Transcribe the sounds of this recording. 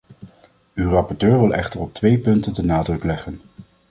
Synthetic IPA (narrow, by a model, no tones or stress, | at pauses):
ywrɑpɔɹtøːɹʋɪlˠʔɛ̰χtərɔp̚tʋejpɵntəndənaːdrɵklɛχən